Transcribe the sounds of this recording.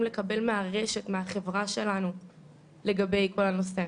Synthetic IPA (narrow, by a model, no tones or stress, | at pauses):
mlekabe̞lmeaʁeʃe̞tmeaχe̞vʁaʃe̞lanu | le̞ɡabejko̞lanose